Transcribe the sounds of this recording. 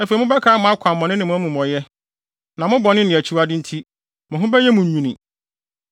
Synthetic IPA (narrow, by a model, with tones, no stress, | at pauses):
æ˨fe˨˦mʊ̃˦bɛ˦kʰaː˦mʊ̃˦a˦kʷʰãː˨ɔ̃˨nɪ̃˦nɪ̃˨mʊ̃˦æ˦mũ˨mɔ̃˨jɛ˦ | nã˨mʊ̃˦bɔ˨nɪ̃˦nɪ̃˨æ˨t͡ɕʰi˦wa˦dɪ̃˦n̩˦tʰi˦ | mʊ̃˨ɦʊ̃˦bɛ˦jɛ˦mũ˨ɲ˨ɲũ˨nĩ˨